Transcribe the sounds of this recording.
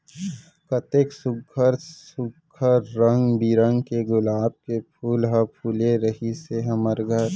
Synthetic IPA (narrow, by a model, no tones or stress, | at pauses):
kət̪eːksʊɡʱəɾsʊɡʱəɾːə̃ŋɡbiɾə̃ŋɡkeɡʊlaːb̚kepʰuːlɦəpʰuːleɾəɦiseɦəməɾɡʱəɾ